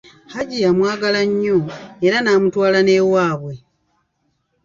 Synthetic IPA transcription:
haɟijamwaːɡalaɲːoeɾanaːmutwaːlane̞ːwaːβwe̞

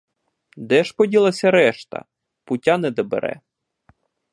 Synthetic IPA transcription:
d̪ɛʃpɔdʲilˠɐsʲɐɾɛʃt̪ɐ̰ | pʊtʲanɛd̪ɔbḛɾɛ̰

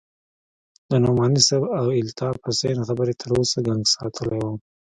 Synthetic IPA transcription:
d̪ənomɑnisabawɪlt̪ʰɑːpʊsenxabəɾet̪ʰəɾosaɡaŋɡsɑt̪ʰəlejwum

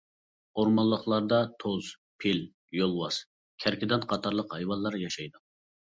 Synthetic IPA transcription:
oɾmɑlːˠəχlˠɑɾd̪ɑt̪ʰoz | pʰel | jolˠwɑs | kʲʰæɾkʲʰɪd̪ɛnqʰɑt̪ʰɑɾlˠəqhɑjwɑlˠːɑɾjɑʃɑjd̪u

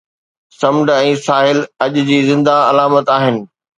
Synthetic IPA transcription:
sɐmɖɛ̃ːsaːɦɪlɐʄʊ̆d͡ʑiːzɪ̃nd̪aɐlaːmət̪aːɦɪnɪ̆

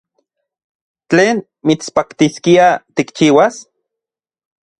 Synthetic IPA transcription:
t͡ɬeːn | mit͡spakt̪iskiat̪ikt͡ʃiːwas

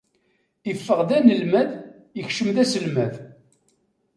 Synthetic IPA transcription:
ifːəʁðænəlmæð | jəçʃəmðæsəlmæð

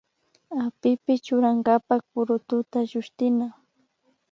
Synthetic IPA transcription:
apɪpɪt͡ʃʊɾaŋɡapakpʊɾʊt̪ʊt̪aʒʊʃt̪ɪna

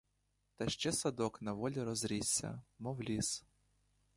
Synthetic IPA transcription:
t̪ɐʃt͡ʃɛsɐd̪ɔknɐʋɔlʲiɾɔzɾʲisʲːɐ̰mɔwlʲis

